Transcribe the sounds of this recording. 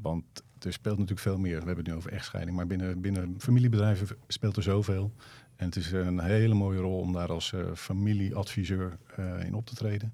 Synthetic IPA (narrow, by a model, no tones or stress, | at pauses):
ʋɑntd̥əspeːlˠtnatyːləkfeːlˠmɪːɹʋəɦɛbəntnyowvəɹɛ̰χtsχɛ̰jdɪŋmaːɹbɪnəbɪnəfamilibədrɛjvəspeːlˠtəzowveːlˠ | ɛnətɪsənɦejləmoːjərɔlˠɔ̰mdaːɾɑlˠsfamiliʔɑtfizøːɹɪ̰nɔp̚tʰə̥trejdən